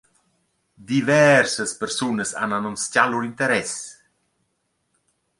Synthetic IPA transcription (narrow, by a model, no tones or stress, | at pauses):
d̪ivɛrsəspəɾsunəsa̰nanɔnscaluɾint̪əɾɛs